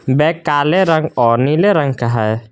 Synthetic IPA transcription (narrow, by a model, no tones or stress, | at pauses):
bɛkːaleɾaŋɔnileɾaŋkaɦaɛ